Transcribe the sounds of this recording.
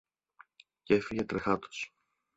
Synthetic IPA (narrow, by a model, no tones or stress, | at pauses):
ce̞fiʝe̞t̪ɾexɐt̪o̥s